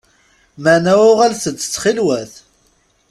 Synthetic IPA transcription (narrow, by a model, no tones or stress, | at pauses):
mənæwʊʁælθət͡sːə̥t͡sːχilwæθ